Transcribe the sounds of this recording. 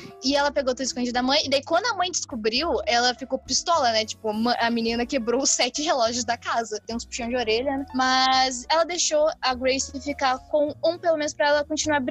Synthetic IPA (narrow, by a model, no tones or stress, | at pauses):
ɪɛlɐpeɡowt̪ud̪ɪskõd͡ʒid̪ɐmɐ̃j̃ɪd̪aikwɐ̃nd̪ʊɐmɐ̃j̃d͡ʒɪskobɾiwɛlɐfikopist̪ɔlɐnɛt͡ʃi̥pʊmɐ̃ɐmĩnĩnɐkebɾowʊsɛt͡ʃɪɦelɔʒʊzd̪ɐkazɐt̪ẽj̃ʊ̃spi̥ʃɐ̃w̃d͡ʒoɾeʎɐnɛmɐzɛlɐd̪eʃoɐɡɾejsifikaɾkõw̃ũpelomẽnʊspɾɐɛlɐkõt͡ʃinuaɾbɾ